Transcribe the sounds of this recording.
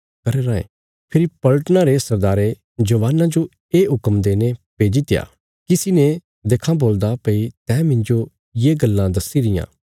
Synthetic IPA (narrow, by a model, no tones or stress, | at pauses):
kɐɾeɾãːḛ̃ | pʰɪɾipɐləʈənãɾesɐɾd̪aːɾe | d͡ʒɐʋaːnãd͡ʒo | eːɦʊkəmd̪eːnepeːd͡ʒit̪ɪja̰ː | kisɪne | d̪eːkʰãboːld̪apəit̪ɛ̃ːmɪ̃nd͡ʒo | jeːɡɐlːãd̪ɐsiɾɪjã̰ː